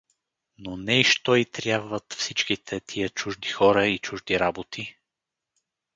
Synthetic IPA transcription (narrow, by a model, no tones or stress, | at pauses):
nonɛiʃt̪ɔit̪ɾʲjabvət̪fsit͡ʃk̟it̪ʰɛt̪ʰijət͡ʃuʒd̪ixɔɾəit͡ʃuʒd̪iɾabot̪ʰi